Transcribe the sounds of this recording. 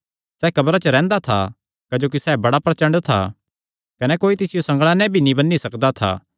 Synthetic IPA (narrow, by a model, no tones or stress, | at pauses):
sɛːkɐbɾat͡ʃəɾɛ̃ːnd̪at̪ʰa̰ | kɐd͡ʒoːk̬isɛːbɐɽapɾɐt͡ʃɐ̃ɳɖt̪ʰa̰ | kɐnɛkoːit̪ɪsɪjosɐ̃ŋɡɭãnɛ̃bʱinĩbɐnːisɐkd̪at̪ʰa̰ː